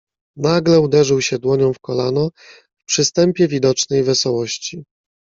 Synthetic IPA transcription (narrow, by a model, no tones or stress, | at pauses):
naɡlɛud̪ɛʐɘwɕɛd̪wɔɲɔ̃w̃fkɔlanɔ | fpʂɘst̪ɛmpʲjɛvʲid̪ɔt͡ʂnɛjvɛsɔwɔɕt͡ɕi